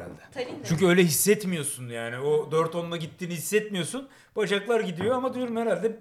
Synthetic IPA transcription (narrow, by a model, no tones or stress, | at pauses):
a̰lʲd̪ɛt͡ʃʰyɲcyø̞jlʲɛɦisːɛt̪mijo̞sunjaːnɪod̪øɾt̪ʰo̞nulaɟit̪ːiːnihisːɛt̪mijo̞sun | bad͡ʒaklˠaɾɟid̪ijoamad̪ujuɾmheɾalʲd̪ɛ